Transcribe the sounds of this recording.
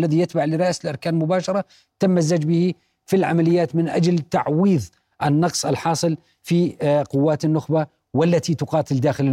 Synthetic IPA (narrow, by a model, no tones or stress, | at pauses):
lːaðijɪt̪baʕlɪɾˤɑʔsɪlʔɑɾˤkaːnmʊbaːʃɑɾˤɑ | t̪amːazːad͡ʒbɪhi | filʕa̰malɪjːaːt̪mɪnʔa̰d͡ʒlt̪aʕwiːð | ʔɪnːɑqsˤɪlħɑːsˤɨl | fiqʊwːaːt̪ɪnːʊxba | walːat̪it̪ʊqɑːt̪ɪld̪aːxɪlɪ